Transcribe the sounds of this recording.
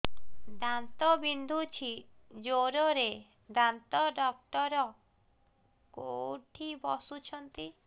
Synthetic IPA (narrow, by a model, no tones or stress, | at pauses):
d̪ant̪ɔbind̪ʱut͡ʃʰid͡ʒoɾɔɾe | d̪ant̪ɔɖɔk̚ʈɔɾɔ | koʈʰibɔsut͡ʃʰɔnt̪i